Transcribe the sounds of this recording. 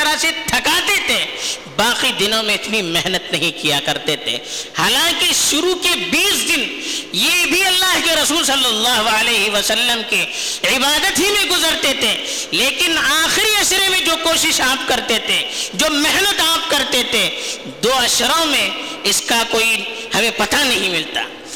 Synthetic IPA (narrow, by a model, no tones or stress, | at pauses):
ɐɾaset̪ʰɐkaːt̪et̪ʰe | baːqid̪ɪnõmẽɪt̪nimɛɦnət̪nɐɦĩkijakɐɾt̪et̪ʰḛhaːlãːkeʃʊɾukebiːsd̪ɪnjebʱiɐlːaːɦkeɾɐsuːlsɐlːɐlːaːɦoəleːɦiʋəsəlːəmke | ʕɪbaːd̪ət̪ɦimẽɡʊzəɾt̪et̪ʰe | leːkɪnaːxɪɾiɐʃɾemẽd͡ʒoːkoːʃɪʃaːp̚kɐɾt̪et̪ʰẽd͡ʒoːmɛɦnət̪aːp̚kɐɾt̪et̪ʰẽ | d̪oːɐʃɾõmẽɪskakoːihɐmẽpɐt̪anɐɦĩmɪlt̪a̰ː